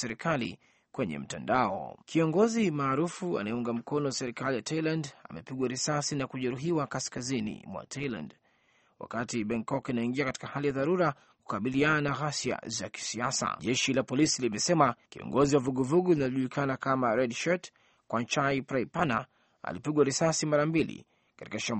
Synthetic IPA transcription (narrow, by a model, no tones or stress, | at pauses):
sɛɾikalḭ | kwɛɲɛ̰m̩tandaɔ̰kiɔŋɡɔzimaːɾufua̰najɛuŋɡam̩kɔnɔsɛɾikalijatʰailanda̰mɛpiɡwaɾisasinakuʄɛɾuɦiwakaskazinḭmwa̰tʰailã̰nd | wa̰katiɓɛŋkɔkinaiŋɡiakati̥kahalijaðaɾuɾa | ku̥kaɓiliananaɣasja̰za̰ki̥siasa̰ʄɛʃilapɔlisilimɛsɛmakiɔ̰ŋɡɔziwavuɠuvuɠulinaʄulikʰanakamaɾɛdʃɔt | kwant͡ʃaipɾaipana̰ | a̰lipiɡwaɾisasimaɾambilḭ | kḁti̥kaʃam